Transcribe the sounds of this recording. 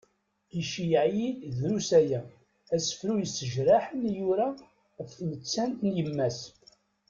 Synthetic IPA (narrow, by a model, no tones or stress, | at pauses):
iʃijəʕjid̪ðɾusæjæ | æsə̥fɾujəsəʒɾaħənjuɾa | ʁəfθnət͡sːænt̪njəmːæs